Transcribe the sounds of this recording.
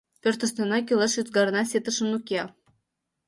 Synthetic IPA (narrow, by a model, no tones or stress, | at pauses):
pʲørt̪ə̆st̪ɤ̆nɑkʲiləʃyt̪ɡɑɾɤnɑsʲet̪əʃə̆nukʲiɑ